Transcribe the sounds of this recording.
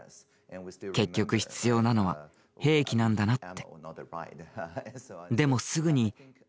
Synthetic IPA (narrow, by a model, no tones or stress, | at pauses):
ke̞kʲːo̞kɯ̟çi̥t͡sɨjo̞ːnano̞βa̰ | he̞ːkʲinãnd̪anat̪ːe | d̪e̞mo̞sɨɡɯ̟ɲ̟i